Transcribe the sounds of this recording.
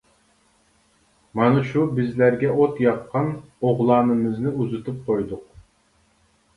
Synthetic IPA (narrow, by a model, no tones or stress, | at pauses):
mɑnɨʃubɪzlæɾɡʲɛot̪jɑqʰːɑnoʁlˠɑːnɨmɨznɪuzɨt̪ʰup̚qʰojd̪ʊq̚